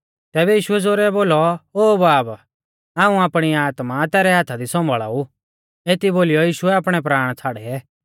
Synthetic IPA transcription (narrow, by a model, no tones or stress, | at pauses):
t̪ɛːbɛjiːʃʊɛd͡zoːɾɛboːlɔoːbaːb | aːũaːpɽ̃iaːt̪mat̪ɛːɾɛɦaːt̪ʰad̪isɔ̃mbʱəɭa̰ːu | eːt̪iboːlijɔjiːʃʊɛaːpɽ̃ɛp̬ɾaːɽ̃t͡sʰaːɽɛɛ